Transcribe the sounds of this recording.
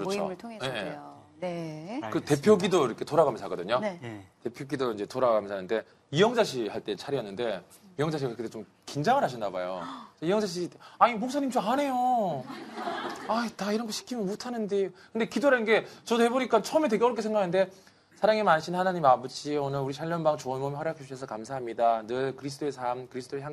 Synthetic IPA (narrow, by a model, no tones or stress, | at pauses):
kɯɾʌt͡ɕo̰tʰje | ekɯte̞pʰjoɡidoiɾʌkʰe̞toɾaɡamʌnsʰaɡʌ̰dɯɲote̞pʰjoɡidoind͡ʑe̞toɾaɡamjʌnsʰanɯnde̞ | ijʌŋd͡ʑaɕʰihaɭt͈e̞t͡ɕʰaɾiʌnːɯnde̞ | ijʌŋd͡ʑaɕ̬ʰikkʰetet͡ɕom | kind͡ʑaŋɯɭɦaɕ̬ʰindaba̰jo̰t͡ɕeijʌŋd͡ʑaɕ̬ʰiit͈eaɲimok̚s͈ʰaɲimt͡ɕomane̞jo | aitaiɾʌnɡʌɕʰi̥kʰimjʌnmotʰanɯndekɯnde̞kidoɾanɡe̞t͡ɕʌte̞boɲik͈at͡ɕʰʌmetwe̞ɡeʌɾʌkʰeŋɡakʰanɯnde̞ | sʰaɾaŋemanɕʰinhanaɲimabuɕʰionɯɾuɾiɕʰaʎːʌnbaŋt͡ɕonmomiwaɾjakʰet͡ɕuɕʰesʰʌkamsʰaɦamɲidanɯɭkɯɾis̬ʰt͈ʰoesʰamkɯɾisʰt͈ʰoeɭçjaŋ